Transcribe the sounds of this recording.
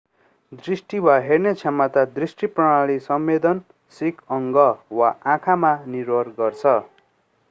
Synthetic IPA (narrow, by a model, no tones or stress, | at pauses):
d̪risʈiwaɦernet͡sʰemat̪ad̪risʈiprʌɽ̃aɭisʌmːed̪ʌn | sikʰʌŋɡʌwaãkʰamanirwʌrɡʌrt͡sʰʌ